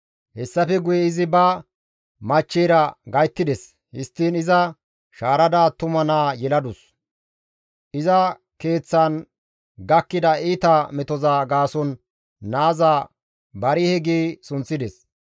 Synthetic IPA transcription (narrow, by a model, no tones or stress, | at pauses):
hɛsːɐfɛɡʊjɛɪzɪbɐ | mɐt͡ʃːiːɾɐɡɐjt̪ːɪd̪ɛs | hɪ̰st̪ːiːnɪzɐ | ʃaːɾɐd̪aːt̪ʊmɐnaːjɛlɐd̪ʊs | ʔɪzɐ | ke̞ːt͡sːɐn | ɡɐkːɪd̪ɐiːt̪ɐmɛt̪ɔzaːɡaːsɔnː | aːzaː | bɐɾɪhɛɡiːsʊnt͡sːɪd̪ɛs